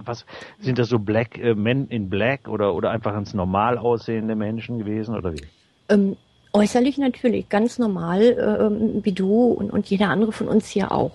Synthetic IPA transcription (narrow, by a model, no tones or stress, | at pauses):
vasz̥ɪnt̚d̥asz̥oːblɛkʔɛːmɛnɪnblɛkʔoːɾɐʔoːɾɐʔa̰ɪnfaχɪnsnɔɐmaːlaʊsz̥eːəndəmɛnʃn̩ɡəveːzn̩ʔo̰ːdɐvḭː | ʔɛːm | ʔɔʏsɐlɪçnatʰyːɐlɪ̰çɡ̥ant͡snɔɐmaːlʔɛ̰ːʔɛːmviːduːʊ̰nʊ̰ntjeːɾɐʔandəʁ̞əfɔnʔʊ̰nshiːɐʔa̰ʊx